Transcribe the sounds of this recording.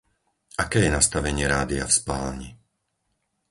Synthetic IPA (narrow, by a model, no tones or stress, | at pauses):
akɛːjɛnast̪aʋɛɲɪɛɾaːd̪ia̰fspa̰ːlɲi